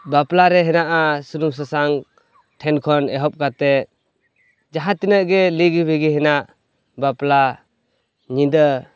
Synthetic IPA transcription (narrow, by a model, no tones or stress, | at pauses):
baplaɾɛɦɛnaʔasunums̬asaŋ | tʰɛnkʰɔnɛɦɔp̚ɡat̪ɛ | d͡ʒaɦat̪inaɡɛliɡɯbiɡiɦɛnaʔ | bapla | ɲid̪ə